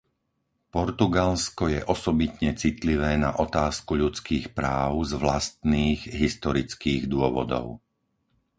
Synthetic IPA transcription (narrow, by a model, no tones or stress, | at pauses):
pɔɾt̪uɡalskɔjɛʔɔsɔbit̪ɲɛt͡sit̪liʋɛːnaʔɔt̪aːskuʎut͡skiːxpɾaːʊzʋlast̪niːɣɦist̪ɔɾit͡skiːɣd̪ʊɔʋɔ̰d̪ɔ̰ʊ